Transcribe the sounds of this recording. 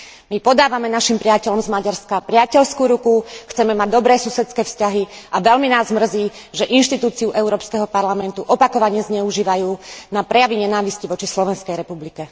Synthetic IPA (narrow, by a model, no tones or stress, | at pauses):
mipɔd̪aːʋamɛnaʃimpɾɪacɛʎɔmzmaɟaɾskapɾɪacɛʎskuːɾukuxt͡sɛmɛmaɟ̚d̪ɔbɾɛːsusɛt͡skɛːfscaɦiaʋɛlminaːzmr̩ziː | ʒɛʔinʃt̪it̪uːt͡siuʔɛʊɾɔːpskɛɦɔpaɾlamɛnt̪uʔɔpakɔʋaɲɛzɲɛuʒiːʋajuːnapɾɛjaʋiɲɛnaːʋisciʋɔt͡ʃislɔʋɛnskɛjɾɛpublikɛ